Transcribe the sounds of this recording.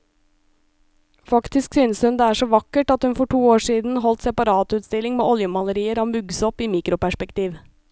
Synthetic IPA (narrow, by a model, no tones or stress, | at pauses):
fɑkt̪ɪsksyːnəshʉnd̪eːæːʂɔʋɑkːəʈɑt̪hʉnfɔʈʰuːoːʂiːd̪n̩ɦɔlt̪sɛpɑɾɑːt̪ʉːt̪st̪ɪlːɪŋmeːʔɔljəmɑləɾiːəɾɔmʉɡsɔpiːmiːkɾʊpæʂpɛkt̪iːʋ